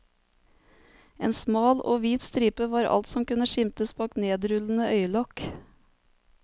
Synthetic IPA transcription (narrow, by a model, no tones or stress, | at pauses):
ḛːnsmɑːlʔo̰ːʋiːt̪st̪ɾiːpəʋɑːɾʔɑ̰lt̪sɔmkʉnəʃɪmt̪əsbɑːkneːd̪ɾʉln̩əʔœʏlɔk